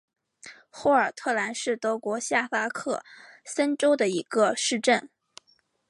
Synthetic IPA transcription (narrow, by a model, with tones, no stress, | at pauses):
xɔ˥˩ə˞˨˩t̪ʰɤ˥˩la˧˥nʂɻ̩˥˩t̪ɤ˧˥kwɔ˧˥ɕja˥˩fa˥kʰɤ˥˩sə˥nʈ͡ʂo˥ʊd̪ə˨i˧˥ɡ̥ə˧ʂɻ̩˥˧ʈ͡ʂə˥˩n